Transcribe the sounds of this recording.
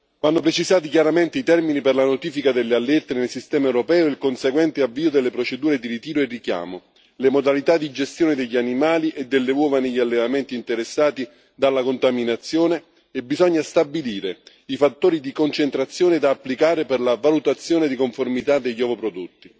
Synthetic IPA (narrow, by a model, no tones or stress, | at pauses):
vanːopɾet͡ʃizaːt̪ik̟jaɾament̪eit̪ɛrminiperlanot̪iːfikad̪elːealːɛrt̪enelsist̪ɛːmaɛwɾopɛːoilkonseɡwɛnt̪eavːiːod̪elːepɾot͡ʃed̪uːɾed̪iɾit̪iːɾoerːikja̰ːmo | lemod̪alit̪ad̪ːid͡ʒest̪joːned̪eʎːianimaːliʔed̪ːelːeɔːvaniʎːialːevament̪iːnt̪eɾesːaːt̪i | d̪alːakont̪aminat̪sːjoːne | ebizɔɲːast̪abiliːɾe | ifat̪ːoːɾid̪ikont͡ʃent̪ɾat̪sːjoːned̪aːpːlikaːɾeperlavalut̪at̪sːjoːned̪ikoɱformit̪ad̪eʎːɔːvopɾod̪ot̪ːi